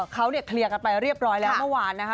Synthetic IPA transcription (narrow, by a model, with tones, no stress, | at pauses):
kʰa˦˥wni˥˩ɐkʰli˧əka˧npa˧jɾi˥˩əp̚ɾɔː˦˥jlɛː˦˥wmɯ˥˩waː˧nːa˦˥kʰ